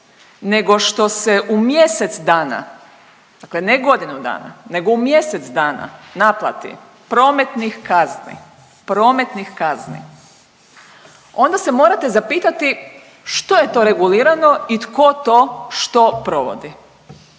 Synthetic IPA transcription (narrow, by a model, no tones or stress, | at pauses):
ne̞ɡo̞ʃt̪o̞se̞ʔumje̞se̞t̪sd̪aːna̰ | d̪akleneɡo̞d̪inud̪a̰ːna̰ne̞ɡo̞umje̞se̞t̪sd̪aːna̰naplˠa̰t̪ḭ | pɾo̞ːme̞t̪nixkaznḭ | pɾo̞ːme̞t̪nixkaznḭ | o̞nd̪ase̞mo̞ːɾat̪e̞zapiːt̪at̪i | ʃt̪o̞je̞t̪o̞ɾe̞ɡuliːɾano̞it̪ko̞t̪o̞ʃt̪o̞pɾo̞ʋo̰d̪i